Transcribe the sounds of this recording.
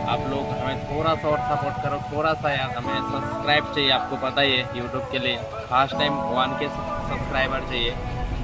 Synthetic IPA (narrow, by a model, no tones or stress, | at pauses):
a̰ːploːɡɦɐmẽt̪ʰoːɾasaɔːɾsapoʈ̚kɐɾõt̪ʰoːɾasajaːɾɦɐmẽsɐbskɾaːɪbt͡ʃaːɦieaːp̚kopɐt̪aiejuːʈjuːb̚kelie | fʰaːsʈʈaːɪmʋanke | sɐbskɾaːɪbəɾt͡ʃaːie